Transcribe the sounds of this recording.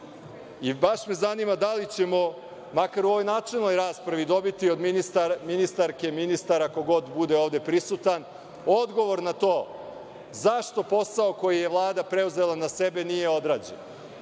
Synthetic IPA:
ibaʃme̞zanimad̪alit͡ɕe̞mo̞ | makaɾuoʋo̞jnaːt͡ʂelno̞jɾaːspɾaʋid̪o̞bit̪io̞d̪nist̪aminist̪aɾke̞minist̪aɾako̞ɡo̞d̪bud̪e̞oːʋd̪e̞pɾisut̪an | od̪ɡo̞ʋo̞ɾnat̪oː | zaʃt̪o̞po̞saoko̞jije̞ʋlˠaːd̪apɾe̞uze̞lˠanase̞be̞nije̞o̞d̪ɾaːd͡ʑḛn

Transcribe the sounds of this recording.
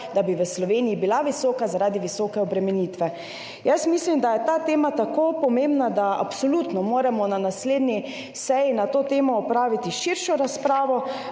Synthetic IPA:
d̪abiʋəslɔʋeːnijibilaʋisɔːkazaɾaːd̪iʋisɔːkɛɔbɾɛmɛnit̪ʋɛ | jəsmislimd̪ajɛt̪aːt̪eːmat̪akopɔmembnad̪aa̰psolut̪nɔmoːɾɛmɔnanasleːd̪ni | sɛjinat̪oːt̪eːmɔːpɾaːʋit̪iʃiɾʃɔɾaspɾaːʋɔ

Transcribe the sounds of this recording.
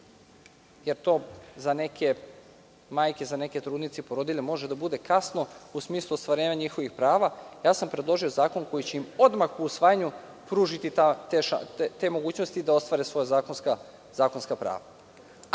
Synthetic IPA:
jeɾt̪o̞ːzane̞kʰe̞ | maːjke̞zane̞ket̪ɾuːd̪nit̪sepo̞ɾod̪iʎʲemo̞ʒed̪abud̪e̞kasno̞usmiːslˠuost̪ʋaɾe̞ːɲaɲixo̞ʋixpɾaːʋajaːsampɾed̪lˠo̞ʒio̞zaːko̞nko̞jit͡ɕeimo̞d̪maxuusʋaːjaɲu | pɾuːʒit̪it̪at̪eʃa̰t̪e̞mo̞ɡuːt͡ɕnost̪id̪ao̞st̪ʋaːɾesʋo̞jazaːkonska | z̥aːko̞nskapɾa̰ːʋa

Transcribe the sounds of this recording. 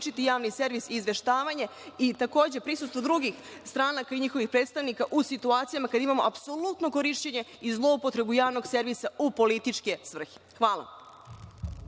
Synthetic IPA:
t͡ʃit̪ijaːʋnise̞ɾʋisːzʋe̞ʃt̪aːʋaɲe̞it̪ako̞ːd͡ʑe̞pɾisust̪vʋo̞d̪ɾuɡix | st̪ɾaːnakaiɲixo̞ʋixpɾet̪st̪aʋnikaʔusit̪uaːt̪sijamakad̪aimamo̞̰ʔapso̞lˠut̪no̞ko̞ɾiʃt͡ɕeɲe̞izlˠo̞upot̪ɾe̞bujaːʋno̞ɡse̞ɾʋisaupo̞lit̪it͡ʂke̞sʋr̩xi̥ | xʋaːla̰

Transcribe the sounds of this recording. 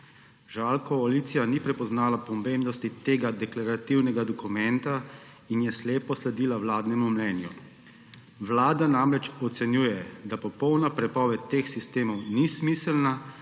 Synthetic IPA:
ʒalkɔalit̪sijanipɾɛpɔznaːlapɔmeːmnɔst̪it̪eːɡad̪ɛklaɾat̪iwnɛɡad̪ɔkumɛnt̪a | injɛsleːpɔslɛd̪iːlawlaːd̪nɛmumnɛːnjṵ | ʋlaːd̪anamɾɛt͡ʃɔt̪sɛnjuːjɛd̪apɔpɔwnapɾɛpɔʋɛt̪ːeːxsist̪eːmɔwnismiːsɛlna

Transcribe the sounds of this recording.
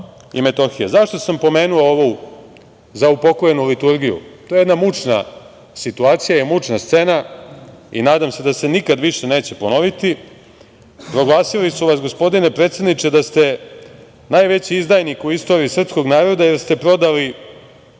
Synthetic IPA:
ḭme̞t̪o̞xijezaʃt̪o̞sampo̞me̞ːnuooʋu | zaupo̞koje̞nulit̪uɾɡijṵt̪ojejenamut͡ʃna | sit̪uaːt̪sijajemut͡ʃnast̪se̞na | ḭnaːd̪amse̞d̪ase̞nikad̪ʋiʂe̞ne̞ːt͡ɕe̞pono̞ʋit̪i | pɾo̞ɡlˠaːsilisuʋas̬ɡo̞spo̞d̪ine̞pɾe̞t̪se̞d̪nit͡ʃe̞d̪ast̪e̞ | najʋe̞t͡ɕiizd̪aːjnikuist̪o̞ɾiːsr̩psko̞ɡnaːɾo̞d̪aje̞ɾst̪e̞pɾo̞d̪ali

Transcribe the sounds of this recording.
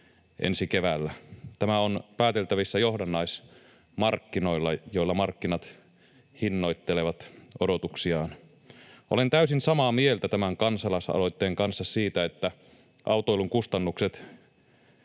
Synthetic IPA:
ʔḛnsikeʋælːæt̪æmæonpæːt̪elt̪æʋisːæjohdɑnːɑis | mɑrkːino̞ilːɑjoilːɑmɑrkːinɑt̪ | hinːo̞it̪ːeleʋɑt̪odot̪uksiɑːn | ʔolent̪æysinsɑmɑːmie̞lt̪æt̪æmæŋkɑnsɑlɑsɑ̰lo̞it̪ːeːŋkɑnsːɑssiːt̪æet̪ːæ | ʔɑuwt̪oiluŋkust̪ɑnːukset̪

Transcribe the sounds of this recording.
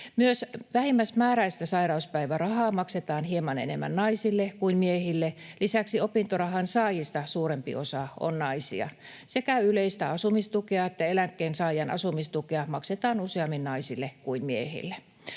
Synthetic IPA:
myøsʋæhimːæsmæːræist̪æsɑirɑuspæiʋærɑhɑːmɑkset̪ɑːnhiemɑnḛnemːæ̰nnɑisilːekuinmiehilːelisæksiopint̪orɑhɑnsɑːjist̪ɑsuːɾempḭosɑo̰nnɑisḭɑ̰ | sekæyleist̪æɑsumist̪ukeɑet̪ːæelæŋkːeːnsɑːjɑnʔɑ̰sumist̪ukeɑmɑkset̪ɑːnuseɑmːinnɑisilːekuinmiḛhḭlːe

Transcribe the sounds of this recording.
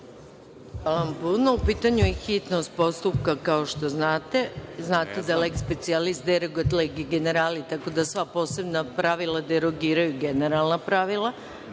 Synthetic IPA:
ampunoupiːt̪aɲujexit̪nost̪̚po̞st̪up̚kakao̞ʃt̪o̞znaːt̪e̞znaːt̪ed̪alekspe̞t̪sialist̪̚d̪eɾoɡt̪leɡiɡene̞ɾaːlit̪ako̞d̪asʋapo̞ːse̞bnapɾaʋilˠad̪eɾoɡiːɾajuɡeneɾalˠnapɾaʋilˠa

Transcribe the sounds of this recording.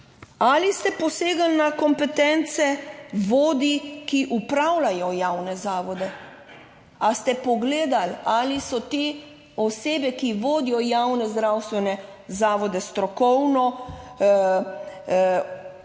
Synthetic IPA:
alist̪ɛpɔseːɡalnakɔmpɛt̪ɛnt̪sɛʋoːd̪ikiʔupɾawlajɔjaːwnɛzaːʋɔd̪ɛ | ast̪ɛpɔɡleːd̪alalisɔt̪e | ɔseːbɛkiʋoːd̪ijɔjawnɛzd̪ɾawst̪ʋɛnɛ | zaːʋɔd̪ɛst̪ɾɔkɔwnɔ

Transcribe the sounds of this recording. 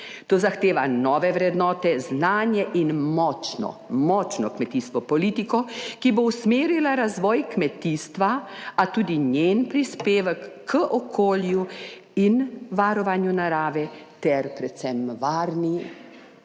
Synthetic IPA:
t̪oːzaxt̪eːʋanɔːʋɛʋɾɛd̪nɔːt̪ɛznaːnjɛʔinmɔːt͡ʃnɔ̰mɔːt͡ʃnɔkmɛt̪iːst̪ʋɔpɔliːt̪ikɔkibowsmeːɾilaɾazʋɔːjkmɛt̪iːst̪ʋaat̪uːd̪iɲjenpɾispeːʋəkːəʔɔkʰoːlju | inʋaɾɔʋaːnjunaɾaːʋɛt̪ɛɾpɾɛt̪sɛmʋaːɾni

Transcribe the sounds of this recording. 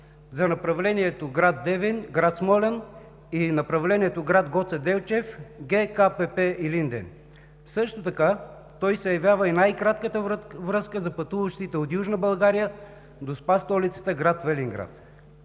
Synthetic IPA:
zɐnɐpɾɐvlɛniɛt̪oɡɾad̪ːɛvinɡɾat̪smɔlɛn | inɐpɾɐvlɛniɛt̪oɡɾat̪ɡɔt̪sɛd̪ɛlt͡ʃɛfɡɛkapɛpɛilind̪ɛ̰n | sɤʃt̪ot̪ɐka | t̪ɔjsɛjɐvʲjavəinajkɾat̪kət̪əvɾɤskəzɐpɐt̪uvəʃt̪it̪ɛot̪juʒnəbɐlˠɡaɾijə | d̪ospast̪ɔlit̪sə̥t̪əɡɾat̪vɛliŋɡɾa̰t̪

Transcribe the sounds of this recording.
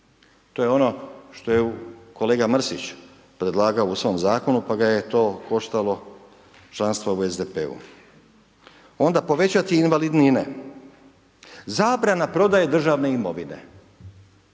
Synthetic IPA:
t̪o̞jeo̞no̞ʃt̪o̞jeuko̞leːɡamrsit͡ɕ | pɾe̞d̪laːɡaousʋo̞mzaːko̞nupaɡaje̞t̪o̞ːko̞ʃt̪alo̞ | t͡ʃlˠanst̪ʋoue̞zd̪e̞pḛːṵ | o̞nd̪apo̞ʋe̞t͡ɕat̪iːnʋalid̪nine | zaːbɾanapɾo̞d̪aje̞d̪r̩ʒaʋne̞imo̞ʋine̞̰

